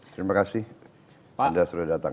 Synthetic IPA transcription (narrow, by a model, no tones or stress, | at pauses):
t̪ɾimakasɪh | andasudahdat̪a̰